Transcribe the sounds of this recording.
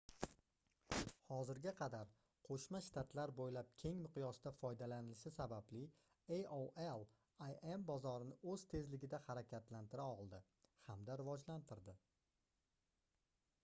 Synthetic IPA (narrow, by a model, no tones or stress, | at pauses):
hɒzɪɾɡʲaqʰɑd̪aɾ | qʰoʃmaʃt̪ʰat̪ʰlaɾbojlap̚kʲʰe̞ŋmɪqjɒsɪd̪afɒjd̪alanɪlʃɪsabablɪ | ejowelˠ | ajembɒzɒɾɪnɪɵz̥t̪ʰe̞zlɪɡʲɪd̪ahaɾakʲʰat̪lant̪ʰɪɾaɒʁlˠd̪ɪ | hamd̪aɾɪvɒd͡ʒlant̪ʰɪɾd̪ɪ